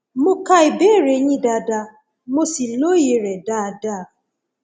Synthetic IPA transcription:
mʊ˦ka˦i˨be˦˨ɾe˨˦ɲi˦da˨da˨ | mo˦si˨lo˦je˨ɾe˨da˦˨da˦˨

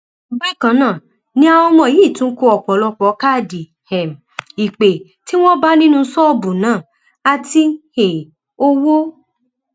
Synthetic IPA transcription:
ɡ͡bɛ˦˨kã˨˦nãː˦˨ | nĩ˦a˧wɔ˧mɔ̃˧˨˦iː˦˨tũ˦ko˧ɔ˨k͡pɔ˨˦lɔ˧k͡pɔ˨˦ka˦˨di˨ | hɛ˨m˨i˨k͡pe˨ | ti˦w̃ɔ̃˦ba˦nĩ˦nũ˦sɔ˦bũ˨nãː˦˨ | a˧ti˧he˨ | o˦wo˦

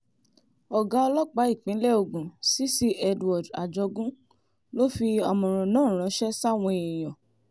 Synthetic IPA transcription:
ɔ˨ɡa˨˦ɔ˧lɔ˦k͡pa˨˦i˦˨k͡pĩ˨˦lɛ˦o˧ɡũ˨si˦si˦ɛ˧dwɔ˨da̰˨d͡ʒɔ˧ɡũ˦ | lo˦fi˧ɔ˧mɔ̃˨ɾ̃ɔ̃˨nãː˦˨˦ɾ̃ã˨˧˦ʃɛ˦sa˦˨w̃ɔ̃˧e˨j̃ɔ̃˨

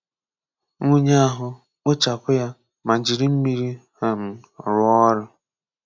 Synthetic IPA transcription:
ŋu˦ɲa˦a˦ɦʊ˦ | k͡pʊ˦t͡ʃa˨kʊ˦ja˦ | ma˨d͡ʒi˨ɾi˦m̩˦mi˦ɾi˦ha˨m̩˨ | ɾʊ˦ɔ˦ɾʊ˦

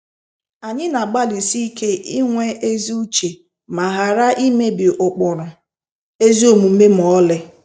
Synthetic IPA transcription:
a˨ɲɪ˦na˨ɡ͡ba˦li˨si˦i˦ke˦ʔi˦ŋʷe˦e˦zi˦u˦t͡ʃe˨ | ma˨ɦa˨ɾa˦ʔi˦me˦bɪ˨ʔʊ˨k͡pʊ˨ɾʊ˨ | e˦zi˦o˨mu˨m̩˦me˦m̩˨ɔ˦lɪ˦

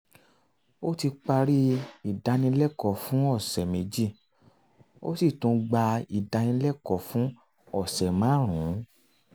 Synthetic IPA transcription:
o˦ti˧k͡pa˧ɾi˦i˦˨da˧nĩ˧˦lɛ˦˨kɔ˨fũ˦ɔ˦˨sɛ˨me˨˧d͡ʒi˦˨ | o̰˦si˦˨tũ˧ɡ͡ba˧i˨da˧nĩ˧˦lɛ˦˨kɔ˨fũ˦ | ɔ˦˨sɛ˨mã˨˦ɾ̃ũ˨˦

